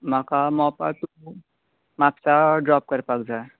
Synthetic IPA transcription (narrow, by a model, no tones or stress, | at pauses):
makamɔpa̰t̪u | mapsaɖɾɔp̚kəɾpakd͡ʒae